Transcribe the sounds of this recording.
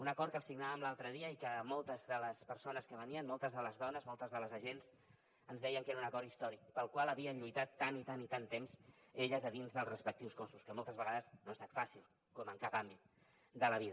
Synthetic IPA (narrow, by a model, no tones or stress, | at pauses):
unəkɔɾkəlsiɡnaβəmlalˠt̪ɾəðiəikəmɔlˠt̪əzðələspəɾsonəskəβəniənmɔlˠt̪əzðələzðɔnəzmɔlˠt̪əzðələzəʒenz | ənzðɛjəŋkeɾəunəkɔɾist̪ɔɾik̚pəlˠkwalˠəβiənʎujt̪at̪ːanit̪anit̪ant̪emz̥eʎəzəðinzðəlˠzrəspək̚t̪iwskonsuskəmɔlˠt̪əzβəɣaðəznoəst̪at̪fasilˠ | kɔməŋkapambit̪̚ | d̪ələβ̞iðə